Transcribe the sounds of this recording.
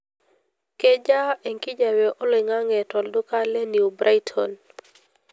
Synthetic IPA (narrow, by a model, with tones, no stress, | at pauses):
ke˦d͡ʒa˦e˨ŋki˦d͡ʒa˨wɛ˨ʔo˦le˨ŋa˦ŋɛ˨tɔ˨ldo˦ka˦lɛ˦ni˨u˨bɾʔa˦jtʰɔn